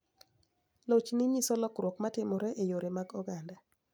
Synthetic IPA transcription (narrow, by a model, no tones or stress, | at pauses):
lot͡ʃnɪɲisɔlɔkɾwɔkmatɪmɔɾɛʔejoɾemaɡɔɡanda